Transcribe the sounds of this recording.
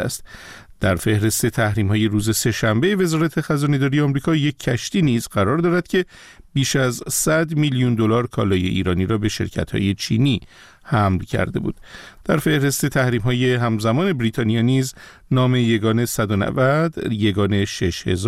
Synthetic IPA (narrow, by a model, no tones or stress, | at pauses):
æst̪ | d̪̥æɾfe̞hɾe̞st̪e̞t̪ʰæhɾiːmhɒːje̞ɾuːze̞se̞ʃæmbe̞ve̞zɒːɾæt̪ʰe̞xæzɒːne̞d̪ɒːɾijeɒmɾiːkʰɒːje̞cʰːæʃt̪iːniːzɢæɾɒɾd̪ɒːɾæd̪̥̚cʲʰe̞ | biːʃæzsæd̪miljund̪o̞lɒːɾkʰɒ̰ːlɒːje̞̰ʔḭːɾɒːniːɾɒːbe̞ʃe̞̰ɾcʰæ̰t̪hɒ̰ːje̞t͡ʃʰḭːni | hæmlcʰæ̰ɾd̪e̞̰bṵːd̪̥d̪̥æɾfe̞hɾe̞st̪e̞t̪ʰæhɾiːmɦɒːje̞ɦæmzæmɒːne̞bɾiːt̪ʰɒːniɒːniːz | nɒːme̞jeɡɒːne̞sæd̪onæ̰væd̪jeɡɒːne̞ʃe̞ʃhe̞̰z